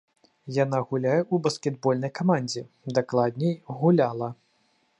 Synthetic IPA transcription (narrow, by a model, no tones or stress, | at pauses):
janaɣulʲajɛubɐskʲɛd̪̚bɔlʲnɐjkamanʲd͡zʲɛ | d̪aklˠad̪ʲnʲɛjɣulʲalˠɐ